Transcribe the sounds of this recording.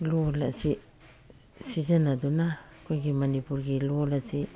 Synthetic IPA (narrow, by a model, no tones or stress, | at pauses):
luolasi | sid͡ʒenaduna | keɡimanipuɾɡiluolasi